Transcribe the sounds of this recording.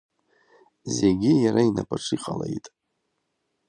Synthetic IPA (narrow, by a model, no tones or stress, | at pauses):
zeɡʲɪjaɾainapʰʼaʈ͡ʂʰiqʼalejtʼ